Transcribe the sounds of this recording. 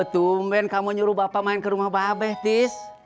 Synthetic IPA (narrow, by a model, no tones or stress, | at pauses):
ət̪umbɛnkamuɲuɾubapamainkəɾumahbabɛht̪is